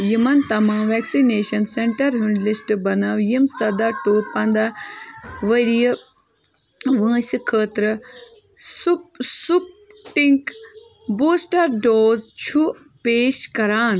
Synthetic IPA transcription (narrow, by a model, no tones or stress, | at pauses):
jimɐnt̪ɐmãːʋɛːksineːʃɐnseɳʈɐɾɦuɳɖlisʈbɐnawjimsɐd̪aʈuːɾpɐ̃nd̪a | ʋəɾij | ʋə̃ːsɨkʰəːt̪ɾɨ | supsup̚ | ʈiŋk | buːsʈɐɾɖoːzt͡ʃʰu | peːʃkɐɾaːn